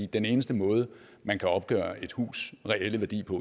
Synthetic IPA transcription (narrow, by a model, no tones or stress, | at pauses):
ḭːd̥ene̝ːnəsd̥əmɔ̽ːð̞ˠə | mænkʰæɒ̽b̥̚ɡ̥œ̰ːɐe̝d̥hṵːsʁɛel̰əʋæɐdḭːpʰɒ̽